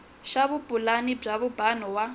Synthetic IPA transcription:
ʃaβupʼulanib͡ʐaβubanɔwa

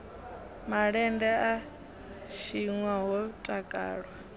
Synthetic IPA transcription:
maɺɛndɛa | ʃiŋwaɦɔtʼakʼa̰ːɺwa

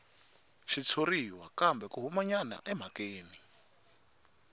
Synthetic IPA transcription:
ʃit͡sʰoriwakambɛkuɦumaɲana̰ʔɛm̤akeːni

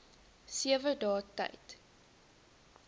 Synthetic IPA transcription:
siəvədɑːtɐ̰jt

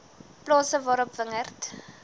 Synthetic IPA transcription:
plɑːsəvɑːɾɔpvəŋərt

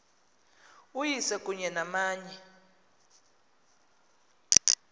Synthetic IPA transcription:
ujisɛkʼuɲɛnamaːɲɛ

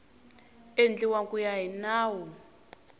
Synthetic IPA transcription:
end͡ɮiwakʼujaɦinaːwɔ

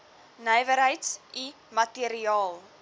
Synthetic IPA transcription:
nəjvəɾɦəjtsi | mɐtiəɾiɑːlˠ

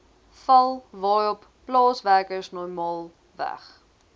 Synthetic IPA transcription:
fɐlˠvɑːjɔpːlɑːsværkəsnɔrmɑːlˠ | væ̰χ

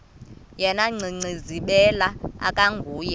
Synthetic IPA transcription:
jɛnaŋ͡ǀʱiŋ͡ǀiziɓɛlaa̰kʼaŋɡʱuːjɛ

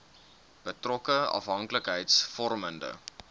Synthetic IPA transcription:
b̥ətrɔkəɐ̰fɦɐŋkləkɦəjtsfɔrməndə̰

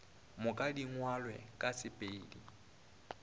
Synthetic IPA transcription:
mʊkʼadiŋwalwɛ̰kʼasɪpʼeːdi

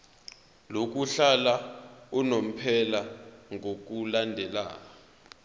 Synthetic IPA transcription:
lok̬uɬalaunom̩pʰɛlaŋok̬ulandʱɛla̰ːa

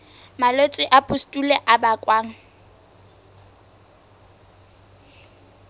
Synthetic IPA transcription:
malet͡sʼwɪʔapʼustʼulɛʔabakʼwaːŋ̩

